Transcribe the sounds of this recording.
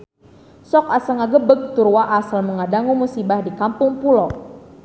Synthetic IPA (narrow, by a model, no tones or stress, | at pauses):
sɔkasəŋaɡəbəɡ̚t̪uɾwaʔasalməŋadaŋumusibahdikampʊŋpulo